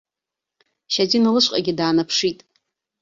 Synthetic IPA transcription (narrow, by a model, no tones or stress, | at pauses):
ʃad͡zinalɨʃʷqʼaɡʲidaːnapʰʂitʼ